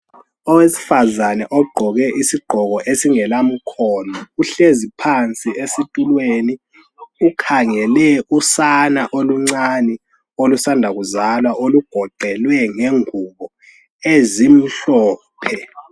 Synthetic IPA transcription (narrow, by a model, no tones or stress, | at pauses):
ɔwesi̥fazanɛʔɔɡ͡ǃʱɔɣɛʔisiɡ͡ǃʱɔɣ̬ɔʔesiŋɛlam̩kʰɔnɔuɬezipʰant͡sʼiesitʼulweːni | ukʰaŋɛlɛusanaʔoluŋ͡ǀanɛ | olusandʱaɣ̬uzalwaʔoluɡ̥ʱɔǃʱɛlwɛŋeŋuɓɔ | ezim̩ɬɔː | pʰɛ